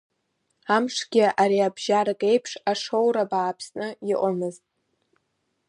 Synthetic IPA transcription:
amʂɡ̥ʲɪʔaɾiabʒarkʼe̞jpʰʂaʂo̞wɾabaːpʰsnɨiʔʷʼamɨztʼ

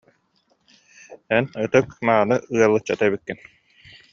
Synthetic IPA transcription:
ɛnɯt̪ɯkmaːnɯɯɐlˠːɯt͡ɕːat̪aɛbikːin

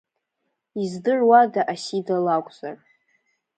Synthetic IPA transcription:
izdɨrwadaʔasidalakʷʼz̥ar

